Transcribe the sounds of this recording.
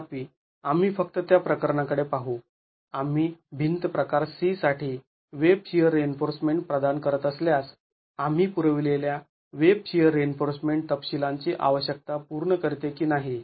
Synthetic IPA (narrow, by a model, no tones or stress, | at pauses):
piː | am̤iːfək̚t̪ət̪japɾəkəɾɳakəɽepaɦu | am̤iːbʱint̪əpɾəkaɾsisaʈʰiː | ʋeb̚ɕiəɾːeenfoɾsmeɳʈ̚pɾəd̪ankəɾət̪əsljas | am̤iːpuɾəʋilelja | ʋeb̚ɕiəɾːenfoɾsmeɳʈ̚t̪əpɕilaɲt͡ɕiːʔa̰ʋəɕjək̚t̪apuɾɳəkəɾt̪ekiːnaɦi